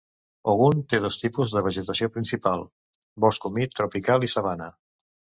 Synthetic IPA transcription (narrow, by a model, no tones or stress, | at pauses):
əɣunt̪eð̞ɔst̪ipuzðəβ̞əʒət̪əsiopɾinsipalˠ | bɔskumit̪ɾupikalˠisaβ̞anə